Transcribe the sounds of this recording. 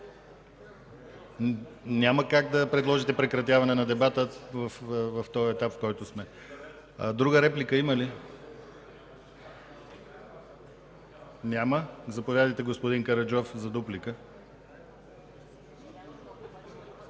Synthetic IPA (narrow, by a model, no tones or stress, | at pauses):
nʲaməkaɡ̚d̪ɐpɾɛd̪lˠɔʒit̪ɛpɾɛkɾɐt̪̬javɐnɛnɐd̪ɛbat̪əvəfvɐft̪ɔjɛt̪apfkɔjt̪ʊsmɛ | d̪ɾuɡəɾɛplikəiməli | nʲaməzɐpovʲjad̪əjt̪ɛɡospod̪iŋkɐɾɐd͡ʒɔfzɐd̪uplikə